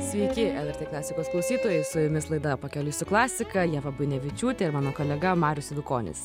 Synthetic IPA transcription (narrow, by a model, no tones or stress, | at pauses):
sʲʋʲɛɪkʲɪɛlˠɛɾt̪ʲeːklˠɑːsʲɪkoːsklˠɐʊsʲiːt̪oːjɛɪsʊjʊmʲɪslˠɐɪd̪ɐpɐkʲɛlʲʊsʲʊklˠɑːsʲɪkɐjiɛʋɐbʊjnʲɛʋʲɪt͡ʃʲuːt̪ʲɛɪɾmɑːnoːkoːlʲɛɡɐmɑːɾʲʊsɪd̪ʊkoːnʲɪ̰s